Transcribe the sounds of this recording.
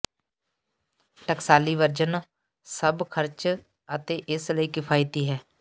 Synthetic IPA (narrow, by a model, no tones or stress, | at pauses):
ʈəksaːliːʋəɾd͡ʒən | səbkʰəɾt͡ʃ | ət̪eːʔɪsləiːkɪpʰaːit̪iːɦɛː